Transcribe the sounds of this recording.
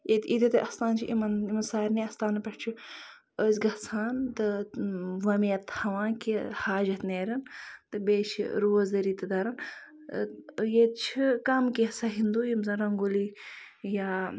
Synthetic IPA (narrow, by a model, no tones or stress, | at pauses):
et̪id̪it̪ɨʔɐst̪aːnt͡ʃʰiʔimɐnimɐnsaːɾniɐst̪aːnɐpɐʈt͡ʃʰu | əːsʲɡɐsʰaːnt̪ɨ | ʋɐmijɐt̪hɐʋãːnkihaːd͡ʒɐt̪neːɾʲɐnt̪ɨbeːʃḭɾuɐzd̪ɐɾit̪ɨd̪ɐɾɐn | jet͡ʃʰikɐmkisɐɦind̪uːjimzɐnɾɐŋɡuli | jaː